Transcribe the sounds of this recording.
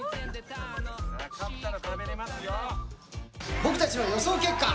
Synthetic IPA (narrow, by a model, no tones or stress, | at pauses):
bo̞kɯ̟t̪at͡ɕinojo̞so̞ːke̞kːa